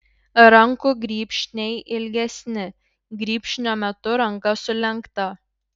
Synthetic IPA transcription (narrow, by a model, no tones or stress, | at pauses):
ɾɐŋkuɡɾʲiːpʲʃʲnʲɛɪʔɪlʲɡʲɛsʲnʲɪ | ɡɾʲiːpʲʃʲnʲoːmʲɛt̪ʊɾɐŋˑkɐsʊlʲɛŋˑkt̪ɐ